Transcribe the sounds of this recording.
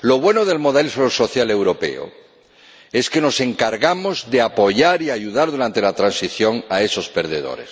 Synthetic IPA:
lo̞β̞we̞noðe̞lmoðalisoso̞θjale̞wɾo̞pe̞̰o̰ | e̞ske̞no̞se̞ŋkaɾɣamo̞zðe̞apo̞ʝaɾiaʝuðaɾðuɾant̪e̞lat̪ɾansiθjo̞ŋae̞so̞speɾð̞eðo̞̰ɾḛs

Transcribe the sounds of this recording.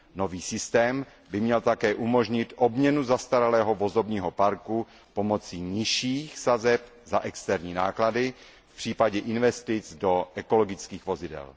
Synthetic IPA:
no̞viːsɪst̪ɛːm | bɪmɲɛlt̪akɛːʔumo̞ʒɲɪt̪ʔobɲɛnuzast̪aɾalɛːɦo̞vo̞zo̞bɲiːɦo̞paɾku | po̞mo̞t͡siːɲɪʃiːxsazɛp | zaʔɛkst̪ɛɾɲiːnaːkladɪ | fpr̝̥iːpaɟɛʔɪnvɛst̪ɪt͡sdo̞ʔɛko̞lo̞ɡɪt͡skiːxvo̞zɪdɛ̰l

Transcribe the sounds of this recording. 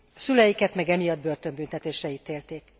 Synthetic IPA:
sylɛjikɛt̪mɛɡɛmijɒd̪̚bø̞rt̪ø̞mbynt̪ɛt̪eːʃrɛiːt̪eːlt̪eːk

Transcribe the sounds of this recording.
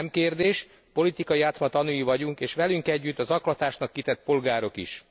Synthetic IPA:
mkeːrd̪eːʃ | po̞lit̪ikɒjijaːt̪smɒt̪ɒnujivɒɟuŋkeːʃʋɛlyŋkɛɟːyt̪ːɒzɒklɒt̪aːʃnɒkːit̪ɛt̪̚po̞lɡaːɾo̞kḭʃ

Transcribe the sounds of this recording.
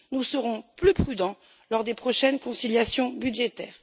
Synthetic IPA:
nusəʁɔ̃plypχyd̪ɑ̃ | lɔʁd̪epχɔʃɛnkɔ̃siljasjɔ̃byd̪ʒet̪ɛːʁ

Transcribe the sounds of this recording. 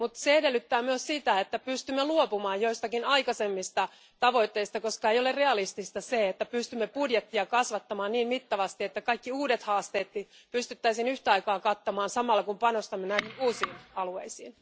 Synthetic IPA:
mut̪seedelːyt̪ːæːmyøssit̪æet̪ːæpyst̪ymːeluopumɑːjjoist̪ɑkinɑikɑsemːist̪ɑ | t̪ɑʋo̞it̪ːeist̪ɑkoskɑejolerreɑlist̪ist̪ɑseet̪ːæpyst̪ymːepudjet̪ːiɑkɑsʋɑt̪ːɑmɑːnniːmmit̪ːɑʋɑst̪iet̪ːækɑikːiuːdet̪hɑːst̪eːt̪ni | pyst̪yt̪ːæisinyht̪æɑikɑːkɑt̪ːɑmɑːnsɑmɑlːɑkumpɑnost̪ɑmːenæihinuːsiːnɑlueisiːn

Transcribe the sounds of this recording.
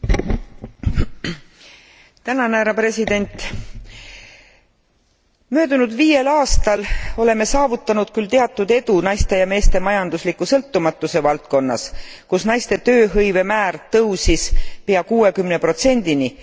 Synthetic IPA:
t̪ænɑnhæɾɑpre̞sid̪̥e̞nʲt̪ˑ | mø̞ːd̪̥unud̪viːje̞lɑːst̪ɑlo̞le̞me̞sɑːvut̪ːˑɑnud̪̥kylt̪eɑt̪ːˑud̪̥e̞d̪̥unɑjst̪e̞jɑme̞ːst̪e̞mɑjɑnd̪uslikːˑusɤlt̪ːumɑt̪ːˑuse̞vɑlt̪̚ko̞nːɑ̰skusnɑjst̪e̞t̪ø̞ːɦɤjve̞mæːrt̪ɤwsispeɑkuːe̞kymne̞pro̞t̪se̞nʲd̪̥ini

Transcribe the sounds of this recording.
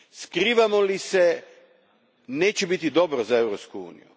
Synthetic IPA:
skɾiːʋamolise | neːt͡ɕebit̪id̪o̞bɾozae̞ʋɾopskuṵːnḭjṵ

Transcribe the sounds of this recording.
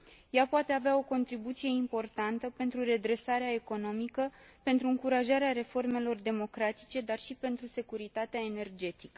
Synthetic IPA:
japoat̪e̞aveao̞ko̞nt̪ɾibut̪sije̞impo̞rt̪ant̪əpe̞nt̪ɾure̞d̪ɾe̞saɾeae̞ko̞no̞mikəpe̞nt̪ɾuɨŋkuɾaʒaɾeaɾe̞fo̞rme̞lo̞rd̪e̞mo̞kɾat̪i̥t͡ʃe̞d̪arʃipe̞nt̪ɾuse̞kuɾit̪at̪eae̞ne̞rd͡ʒe̞t̪ikə

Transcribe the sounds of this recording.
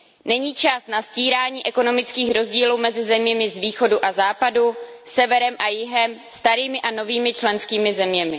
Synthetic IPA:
nɛɲiːt͡ʃast̪nasciːɾaːɲiːʔɛko̞no̞mɪt͡skiːxɾo̞zɟiːluːmɛzɪzɛmɲɛmɪzviːxo̞duʔazaːpadusɛvɛɾɛmʔajɪɦɛmst̪aɾiːmɪʔano̞viːmɪt͡ʃlɛnskiːmɪzɛmɲɛmɪ

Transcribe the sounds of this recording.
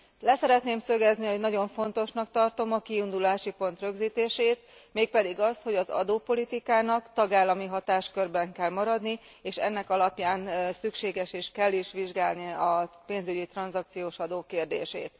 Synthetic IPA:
lɛsɛɾɛt̪neːmsø̞ɡɛzniho̞ɟnɒɟo̞ɱfo̞nt̪o̞ʃnɒkt̪ɒrt̪o̞mɒkiind̪ulaːʃipo̞n̪t̪rø̞ɡziːt̪eːʃeːt̪meːk̚pɛd̪iɡɒst̪ho̞ɟɒzɒ̰d̪oːpo̞lit̪ikaːnɒkt̪ɒɡaːlːɒmiɦɒt̪aːʃkørbɛŋkɛlmɒɾɒd̪ni | eːʃɛ̰nːɛkɒlɒpjaːnsykʃeːɡɛʃeːʃkɛlːiʃʋiʒɡaːlniɒpeːnzyɟit̪rɒnzɒk̚t̪sijoːʃɒd̪oːkeːrd̪ḛːʃḛːt̪

